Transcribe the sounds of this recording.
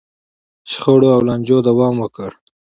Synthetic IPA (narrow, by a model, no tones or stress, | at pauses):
ʃχoɽoawlanʲd͡ʒod̪awɑːmwəkəɽ